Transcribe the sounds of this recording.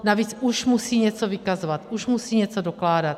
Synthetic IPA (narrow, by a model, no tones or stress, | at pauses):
naviːt͡suʃmusiːɲɛt͡sovɪkazovat̪ʔuʃmusiːɲɛt͡sodoklaːdat̪̚